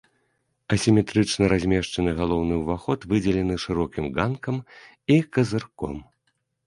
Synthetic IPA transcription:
ɐsʲimʲɛt̪ɾɨt͡ʂnɐɾazʲmʲɛʂt͡ʂɐnɨɣalˠɔwnɨwvaxɔt̪vɨd͡zʲɛlʲɛnɨʂɨɾɔkʲimɡankɐm | ikɐzɨrkɔ̰m

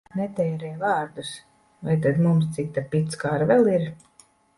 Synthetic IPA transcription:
nɛt̪ɛːɾɛjvaːɾd̪us | vajt̪ad̪mums̬t̪sik̚t̪apit̪skaɾvɛlˠiɾ

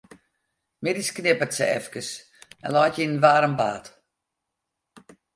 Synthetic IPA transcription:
mɪdisknɪpətsə̰ɛ̰fkəs | ɛ̰nlɔjtinnʋaːɾəmba̰ːt

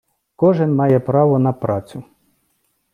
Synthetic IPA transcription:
kɔʐɨnmajɛpɾavɐnɐpɾat̪su

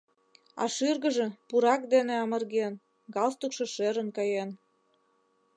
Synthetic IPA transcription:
ɑ̰ʃyrɣə̆ʒĕpuɾɑk̚d̪eneɑmə̆rɣen | ɡɑlst̪ukʃĕʃeɾə̆nkɑjen

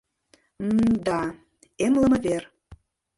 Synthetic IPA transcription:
d̪ɑ | emlə̆mə̆ver

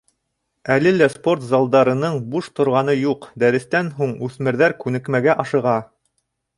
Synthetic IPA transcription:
ælɘlæspo̞rt̪zɑlˠd̪ɑɾɤ̆nɤɴbuʃt̪ŏɾʁɑnɤjuqd̪æɾɘ̆st̪ænɦuɴʉθmɘ̆ɾðæɾkʉnɘ̆kmæɡæʔɑʃɤ̆ʁɑ

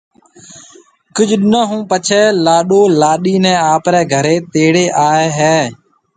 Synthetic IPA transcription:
kʊd͡ʒʱɗɪnə̃ːɦũːpət͡ʃʰɛːlaːɗoːlaːɗiːnɛ̃ːaːpɾɛːɡʱəɾeːt̪eːɽeːʔaːeːɦɛː

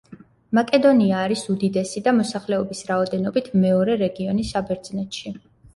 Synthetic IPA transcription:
makʼɛd̪ɔniaːɾisud̪id̪ɛsid̪amɔsaχlɛɔbisɾaɔd̪ɛnɔbit̪ʰmɛɔɾɛɾɛɡiɔnisabɛɾd̪z̥nɛt̪ʃi

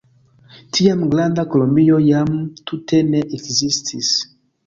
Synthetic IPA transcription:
tʰiamɡlandakolombiojamtʰute̞neʔekzistʰis

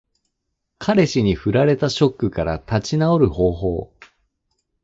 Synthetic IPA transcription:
kʰaɾe̞ɕiɲ̟iɸɯ̟ɾaɾe̞t̪aɕo̞kːɯ̟kaɾa̰t̪at͡ɕinao̞ɾɯ̟ho̞ːɦo̞ː

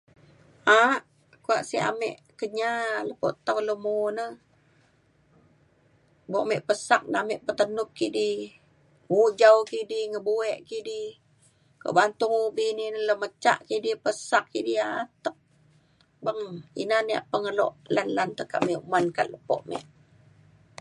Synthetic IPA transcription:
ʔaʔ | kua̰ʔsia̰mɛ̰ʔ | kəɲaləpo̰ʔt̪awləmunə | boʔmɛʔpəsak̚namɛʔpət̪ənʊk̚kiʔdi | uʔd͡ʒawkidiŋəbuɛʔkidi | ko̰ʔbant̪ʊŋubininələmət͡ʃa̰ʔkidipəsakkidiat̪ək̚ | bəŋḭnania̰ʔpəŋəlɔ̰ʔlanlant̪əka̰ʔmiuʔmanka̰ʔ̪̚ləpo̰ʔmɛ̰ʔ

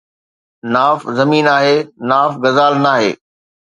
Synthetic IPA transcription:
naːfzɐmiːnaːɦeːnaːfɡɐzaːlnaːɦḛː

